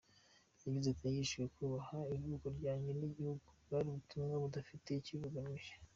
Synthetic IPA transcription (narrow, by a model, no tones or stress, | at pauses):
jaɡizetijiʃujekuβahaiɾɡukoɾɟaːɲɟeniɟihuɡuβaɾiβutʰumɡaβudafite̞iciβuɡamiʒe